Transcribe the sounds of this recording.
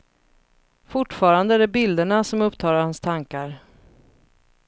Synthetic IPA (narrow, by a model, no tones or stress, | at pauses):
fʊʈːfɑːɾand̪əæɖɛbɪld̪əɳasɔmɵpt̪ʰɑːɾaɾhanst̪ʰaŋkaɾ